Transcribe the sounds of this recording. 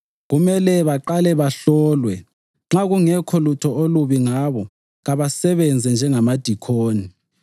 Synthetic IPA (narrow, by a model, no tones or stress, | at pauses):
ɣumɛlɛβaǃalɛβaɬɔːlwɛ | ŋ͡ǁaɣuŋɛkʰɔlutʰɔoluβiŋaβɔ | ɣaβasɛβɛnd͡zʱɛnd͡ʒʱɛŋamad̥ʱikʰoːni